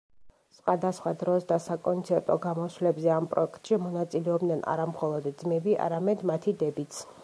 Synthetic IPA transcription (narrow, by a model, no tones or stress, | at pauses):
sχwad̪asχwad̪ɾɔsd̪asakʼɔnt̪sʰɛɾt̪ʼɔɡamɔswlɛbzɛampʼɾɔ̰ɛkt̪ʼʃimɔnat̪sʼilɛɔbd̪nɛna̰ɾamχɔlˠɔd̪d̪zmɛbiʔa̰ɾamɛd̪mat̪ʰid̪ɛbit̪sʰ